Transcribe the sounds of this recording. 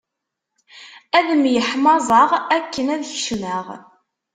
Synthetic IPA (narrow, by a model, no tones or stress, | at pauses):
æðəmjəħmɑzˤɑʁækːənæðçəʃləʁ